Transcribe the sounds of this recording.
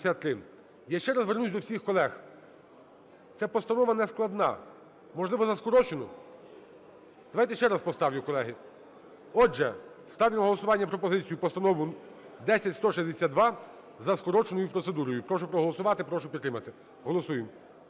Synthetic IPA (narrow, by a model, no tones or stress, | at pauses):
sʲat̪ːɾɪ | jaʃt͡ʃɛɾɐzʋernusʲd̪ɔwsʲixkɔlˠɛx | t̪sɛpɔst̪ɐnɔʋɐnɛsklˠɐd̪nɑ̰ | mɔʒlˠɪʋɔzɐskɔɾɔt͡ʃenɔ | d̪ɐʋɑjt̪ɛʃt͡ʃɛɾɐspɔst̪ɑwjʊkɔlˠɛɦɪ | ɔʒɛ | st̪ɑʋʲɪmɦɔlˠɔsʊʋɑnʲːɐpɾɔpɔzɪt͡sʲijʊpɔst̪ɐnɔʋʊ | d̪ɛsʲɐtʲst̪ɔʃɛzʲd̪esʲad̪d̪ʋɑ | zɐskɔɾɔt͡ʃenɔjʊpɾɔt̪sed̪uɾɔjʊpɾɔʃʊpɾɔɦɔlˠɔsʊʋɑt̪ɪpɾɔʃʊpʲdt̪ːɾɪmɐt̪ɪ | ɦɔlˠɔsujem